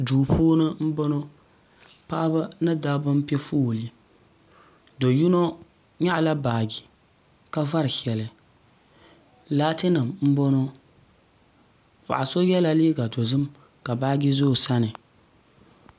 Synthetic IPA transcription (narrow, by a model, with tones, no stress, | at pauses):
duː˨pʰoː˦nɨ˦m̩˦bɔ˦no˦ | pa˦ba˦nɨ˦da˦bɨ˦m˦pɛ˦fuː˦˨li˦ | do˨ju˦no˦ | ɲa˦ʔla˦baː˨ɡi˨ | ka˦va˦ɾɨ˨hɛ˨lɨ˨ | laː˦tɨ˦nɨ˨mm̩˦bɔ˦no˦ | pa̰˨ʔa˨so˦jɛ˦la˦liː˦ɡa˨do˨zɨ˦m | ka˨baː˦ɡi˦zoː˦˨sa˦nɨ˨